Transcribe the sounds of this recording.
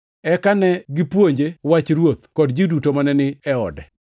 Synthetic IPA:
ɛkanɛɡɪpwoɲd͡ʒewat͡ʃɾwot̪kɔdd͡ʒidutomanɛnɪɛɔ̰dɛ

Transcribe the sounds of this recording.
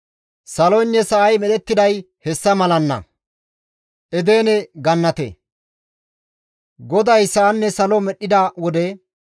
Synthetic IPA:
sɐlɔjnːɛsɐʔɐjmɛd̪ɛt̪ːɪd̪ɐj | hɛsːɐmɐlɐnːɐ̰ | ʔɛd̪e̞ːnɛɡɐnːɐt̪ḛ | ɡɔd̪ɐjsɐʔːnːɛsɐlɔmɛɗːɪd̪ɐwɔd̪ɛ

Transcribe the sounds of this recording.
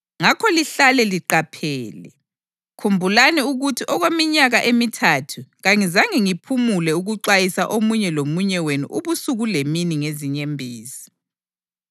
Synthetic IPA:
ŋakʰɔliɬalɛliǃapʰɛːlɛ | kʰumbʱulanɛuɣutʰiʔɔɣwemiɲaɣaʔemitʰatʰuɣaŋizaŋiŋipʰumulɛuɣuǃajisaʔomuɲɛlomuɲɛwenṵʔuβusuɣuleminiŋeziɲembʱiːzi

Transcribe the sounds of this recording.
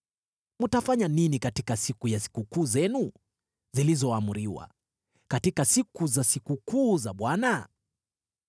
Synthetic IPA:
mutafaɲaninikatikasikujasi̥kukuːzɛnu | zilizɔamuɾiwa̰ | katikasikuzasikukuːzaɓwana

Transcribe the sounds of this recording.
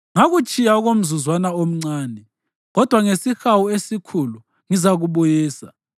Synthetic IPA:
ŋaɣut͡ʃʼijauɣom̩zuzwanaom̩ŋ͡ǀaːnɛ | ɣɔd̥ʱwaŋesixawuesikʰulu | ŋizaɣuβujiːsa̰

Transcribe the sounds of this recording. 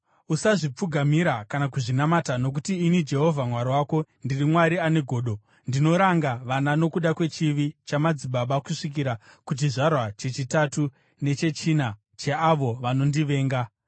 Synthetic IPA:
usaʐip͡fuɡʱamiɾakanakuʐinamatano̞k̬utiːnid͡ʒe̞ɦo̞vʱamwaɾiwaːko̞ndirimwaɾiane̞ɡʱo̞ːɗo̞ | ndino̞ɾaŋɡaʋanano̞kuɗakwe̞t͡ʃiʋit͡ʃamad͡ziɓaɓakuʂik̬iɾakut͡ʃiʐarwat͡ʃe̞t͡ʃitatu | ne̞t͡ʃe̞t͡ʃina | t͡ʃeaʋo̞ʋano̞ndiʋe̞ːŋɡa

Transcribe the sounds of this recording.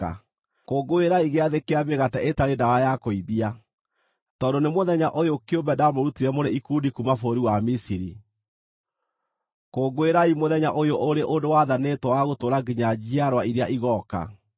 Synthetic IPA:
a̰ | koːɡoeɾaiɣeaðekeameɣatɛʔetaɾendaɣajakoiβia | tɔːdonemoðɛɲaʔojokeombɛdamoɾutiɾɛmoɾeikundikumafoɾiwamisiɾḭ | koːɡoeɾaimoðɛɲaʔojoʔoɾeʔondowaðanetwɔwaɣotoɾaɡiɲad͡ʑiaɾwaiɾeaʔiɣɔka̰

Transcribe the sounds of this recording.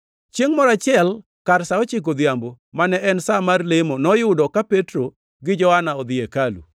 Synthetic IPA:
t͡ʃjeŋmɔɾat͡ʃɪɛl | kaɾsaɔt͡ʃɪk̬od̪jambo | manɛʔɛnsamarlemonɔjʊdɔkapetɾo | ɡɪd͡ʒɔhanaɔd̪ɪekalṵ

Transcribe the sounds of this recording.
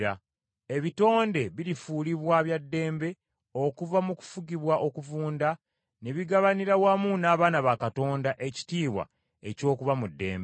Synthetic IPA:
a | e̞βito̞ːnde̞βiɾifuːliβwaβjadːe̞ːmbe̞ | o̞kuvamuku̥fuɟiβwaʔo̞kuvuːnda | ne̞βiɡaβaniɾawamunaːβaːnaβakato̞ːndaʔe̞ci̥tiːβwa̰ | e̞co̞ːkuvamudːe̞̰ːmbe

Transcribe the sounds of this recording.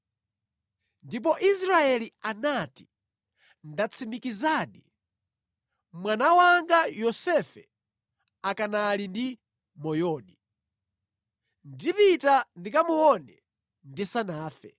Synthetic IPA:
ndip̬ɔʔisɾaɛlianati̥ | ndat͡sʰimikizaːɗi | mwanawaŋɡajɔsɛfɛ̰ | akanalindi | mɔjɔːni | ndivitandikamuwɔnɛ | ndisanaːfɛ

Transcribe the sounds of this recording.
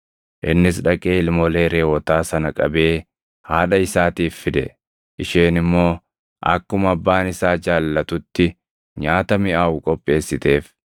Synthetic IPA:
ʔɪnːɪsᶑɐkʼeːɪlmɔle̞ːɾeːwɔt̪aːsɐnɐkʼɐbe̞ː | haːᶑɐɪsaːt̪iːfːɪd̪ɛ̰ | ʔɪʃeːnɪmːo̞ː | ʔɐ̰kːʊmɐbːaːnɪsaːd͡ʒaːlːɐt̪ʊt̪ːɪ | ɲaːt̪ɐmɪʔaːwʊkʼɔpʼːe̞ːsːɪt̪e̞ːf

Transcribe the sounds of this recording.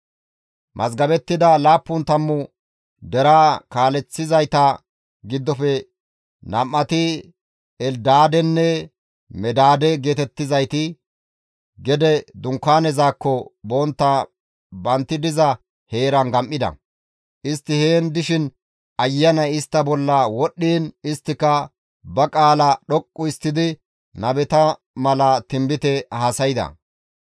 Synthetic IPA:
mʔɐ̰zɡɐbɛt̪ːɪd̪ɐlaːpːʊnt̪ɐmːʊ | d̪ɛɾaːkaːlɛt͡sːɪzɐjt̪a | ɡɪd̪ːɔfɛ | nɐmːɐt̪ɪ | ɛld̪aːd̪ɛnːɛ | mɛd̪aːd̪ɛɡe̞ːt̪ɛt̪ːɪzɐjt̪ɪ | ɡɛd̪ɛd̪ʊŋkːaːnɛzaːkːɔbɔnt̪ːa | bɐnt̪ːɪd̪ɪzɐ | he̞ːɾɐnɡɐmʔːɪd̪ɐ̰ | ʔɪst̪ːɪheːnd̪ɪʃɪn | ɐjːɐnɐjɪst̪ːɐbɔlːɐwɔɗːiːnɪst̪ːɪkɐ | bɐkʼaːlɐɗɔkʼːʊɪst̪ːɪd̪ɪ | nɐbɛt̪ɐ | mɐlɐt̪ɪmbɪt̪ɛhaːsɐjɪd̪ɐ̰

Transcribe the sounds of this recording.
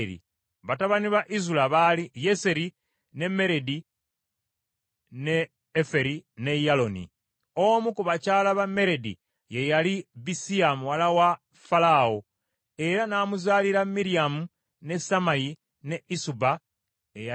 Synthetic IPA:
ɾḭ | βataβaniβaʔizulaβalije̞se̞ɾi | ne̞me̞ɾe̞di | ne̞ː | fe̞ɾine̞jalo̞nḭ | omukuβacaːlaβamːe̞ɾe̞dḭ | je̞jalibisiamuwalawa | falao | e̞ɾanaːmuzaːliɾamːiɾiamu | ne̞samaji | ne̞isuba | eja

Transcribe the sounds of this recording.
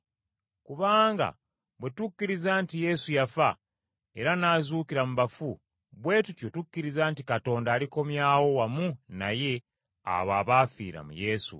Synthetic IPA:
kuβaːŋɡa̰ | βwe̞tukːiɾizaːntije̞sujafa | e̞ɾanaːzuːkiɾamuβafu | βwe̞ːtutjotukːiɾizaːntikato̞ːndaːliko̞mjaːwo̞wamuna̰je̞ | a̰βaːβafḭːɾa̰mṵje̞ːsṵ

